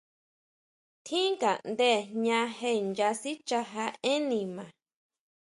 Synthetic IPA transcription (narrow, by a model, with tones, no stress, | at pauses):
t̪ʰĩ˦ŋka˨nd̪e˦˨ɲã˧he˧˨nd͡ʒa˧si˦t͡ʃa˧ɦa˧e˦nĩ˨mã˨